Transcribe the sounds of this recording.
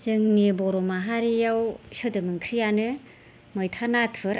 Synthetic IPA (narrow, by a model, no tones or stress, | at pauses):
zɯŋnibɔɾɔmaɦaɾijawsɯdɯmɯŋkʰɾijanɯ | mɯjtʰanatʰɯɾ